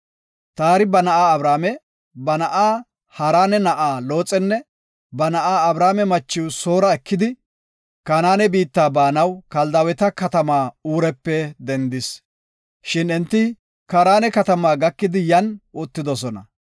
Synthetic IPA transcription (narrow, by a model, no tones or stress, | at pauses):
t̪aːɾɪbɐnɐʔaːɐbɾaːmɛ | bɐnɐʔaː | hɐɾaːnɛnɐʔaːlo̞ːt͡sʼːɛnːɛ | bɐnɐʔaːɐbɾaːmɛmɐt͡ʃːɪwsoːɾɐɛkːɪd̪ɪ | kɐnaːnɛbiːt̪ːaːbaːnɐwkɐld̪ɐwɛt̪ɐkɐt̪ɐmaːuːɾɛpːɛd̪ɛnd̪ɪs | ʃɪnɛnt̪ːɪ | kɐɾaːnɛkɐt̪ɐmaːɡɐkːɪd̪ɪjɐnʊt̪ːɪd̪ɔsɔnɐ̰